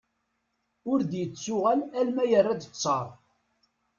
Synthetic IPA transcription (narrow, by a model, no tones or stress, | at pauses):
ʊɾd̪jət͡sːʊʁælælmæjərːad̪ət͡sˤːɑɾˤ